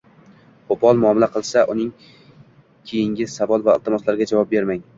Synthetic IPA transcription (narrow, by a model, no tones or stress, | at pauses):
qopʰɒlˠmʊɒmɪlaqʰɨlˠsaʔʊnɪŋ | kʲʰejɪŋɡʲɪ̥savɒlˠvaɪlˠt̪ʰɪmɒslaɾɡʲad͡ʒavɒp̚be̞ɾmaŋ